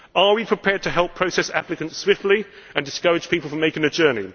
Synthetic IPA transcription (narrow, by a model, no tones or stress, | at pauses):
əwipʰɹ̥ɪpʰɛːd̚tʰəɦɛlˠpʰɹ̥əʊsɛsa̰plɪkə̃nswɪftˡli | ə̃ndɪskʌɹɪ̥d͡ʒ̥piˑpəl̩ˠfɹə̃meɪkɪ̃ŋəd͡ʒɜːni